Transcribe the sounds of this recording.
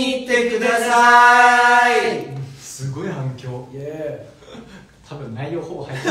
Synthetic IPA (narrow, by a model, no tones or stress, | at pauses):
iːt̪ːekɯ̟d̪asa | ĩsɨɡo̞ihãŋkʲo̞ːe | t̪ʰabɯ̟̃nnaijoːhoːɡahait̪ː